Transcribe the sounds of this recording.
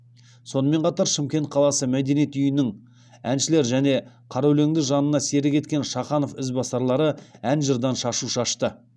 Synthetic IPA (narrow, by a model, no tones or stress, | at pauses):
so̞nəme̞ɴqʰɑt̪ɑɾʃɪmkʲe̞nt̪̚qʰɑlˠɑsəmæd̪enijet̪ʏjɪnɪŋ | ænʃɪle̞ɾʒæne̞ | qʰɑɾɑwle̞ŋd̪ɪʒɑnənɑse̞ɾɪkʲʰe̞t̪̚kʲe̞nʃɑχɑno̞fʏzbɑsɑɾlˠɑɾəænʒəɾd̪ɑnʃɑʃuʃɑʃt̪ə